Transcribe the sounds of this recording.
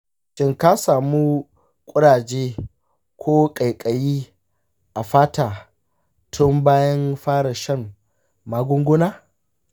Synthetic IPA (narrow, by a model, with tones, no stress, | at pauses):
ʃɪ˦ŋka˦saː˨mu˦ | kʷʼʊ˦ɽaː˨d͡ʒeː˦ | kʷoː˦kʼa˨jkʼɐ˨jiː˦ | ʔa˨ɸaː˦taː˨ | tʰʊ˦mbaː˦jɐ˦nɸaː˦ɽɐ˨ʃɐ˦ŋ | maː˦ɡʷʊ˦ŋɡʷʊ˦naː˦